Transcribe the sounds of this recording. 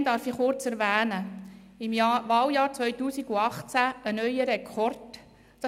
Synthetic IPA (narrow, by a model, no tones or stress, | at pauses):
nd̥̪ɑːɾfiχʊɾt͡sɛɾvæːnə | ɪmɑʋɑːwjɑːɾt͡sʋœʏtuːsiɡuɑχt͡sæənœʏəɾɛkʰɔrtː